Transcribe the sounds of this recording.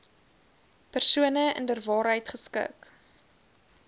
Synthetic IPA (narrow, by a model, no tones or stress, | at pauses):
pərsuənəə̰ndərvɑːɾɦəjtχəskə̰k